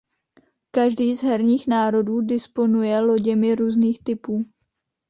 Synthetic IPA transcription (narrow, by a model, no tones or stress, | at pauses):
kaʒdiːzɦɛɾɲiːxnaːɾo̞duːdɪspo̞nujɛlo̞ɟɛmɪɾuːzniːxt̪ɪpuː